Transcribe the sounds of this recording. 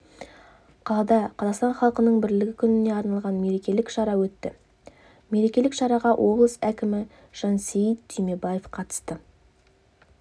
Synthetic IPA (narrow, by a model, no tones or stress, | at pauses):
qʰɑlˠɑd̪ɑqʰɑzɑqst̪ɑnχɑlˠqənəɴbɪɾlɪɡʲɪkʲʰʏnɪne̞ɑɾnɑlˠʁɑnme̞ɾe̞kʲe̞lɪkʃɑɾɑwɵt̪ːɪ | me̞ɾe̞kʲe̞lɪkʃɑɾɑʁɑwʔo̞blˠəsækʲɪmɪ | ʒ̥ɑnsejid̪t̪ʰyjmebaje̞fqʰɑt̪ə̥st̪ə